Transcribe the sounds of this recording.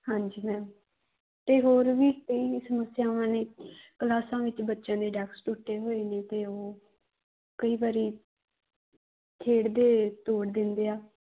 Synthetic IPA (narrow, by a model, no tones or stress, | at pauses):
hãːɲd͡ʒiːmɛːm | t̪eːɦoːɾʋiːkəiːsəməsɪjaːãːneːkəlaːsãːʋɪt͡ʃbətːʃãːd̪eːɖɛːksʈuːʈːeːɦoːeːnẽːt̪eːoː | kəiːʋaːɾiː | t̪ʰeːɽd̪eːt̪oːɽd̪ɪnd̪eːaː